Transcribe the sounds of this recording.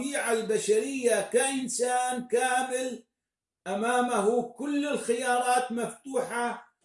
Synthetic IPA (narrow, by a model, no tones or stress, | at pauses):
iːʕalbaʃaɾɪjːakaʔɪnsaːnkaːmɪl | ʔamaːmaɦukʊlːɪlxɪjɑːɾˤɑːt̪maft̪uːħa